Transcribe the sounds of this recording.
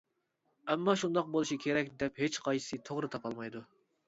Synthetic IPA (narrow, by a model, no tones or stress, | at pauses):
ɛmːɑʃund̪ɑq̚bolˠuʃikʲʰeɾɛk̚ʲd̪ɛphet͡ʃqʰɑjɨ̥sɨt̪ʰoʁɾɨt̪ʰɑpʰɑlˠmɑjd̪u